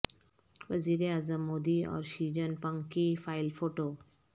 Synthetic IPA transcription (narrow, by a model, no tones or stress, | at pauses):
ʋəziɾeazəmːod̪iɔ̰ɾʃid͡ʑənpəŋkifʰajlfoʈo